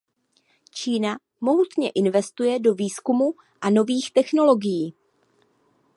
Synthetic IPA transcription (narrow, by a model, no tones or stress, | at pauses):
t͡ʃiːna | mo̞ɦut̪ɲɛʔɪnvɛst̪ujɛdo̞viːskumu | ʔano̞viːxt̪ɛxno̞lo̞ɡɪjiː